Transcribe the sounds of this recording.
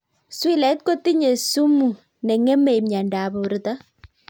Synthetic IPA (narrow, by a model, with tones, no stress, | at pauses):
swi˦lɛ˨˦t̚ko˦ti˦ɲe˨su˦mu˨ | nɛ˨ŋɛ˦mɛ˨jmɲa˨nda˨bɔ˨u˨ɾɪ˨ta˦